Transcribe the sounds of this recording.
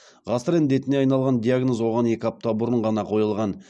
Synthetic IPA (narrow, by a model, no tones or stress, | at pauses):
ʁɑsəɾend̪e̞t̪ɪneɑjnɑlˠʁɑnd̪ʲijaɡnozwo̞ʁɑne̞kʲɪɑp̚t̪ɑbʊɾəɴʁɑnɑqʰo̞jəlˠʁɑn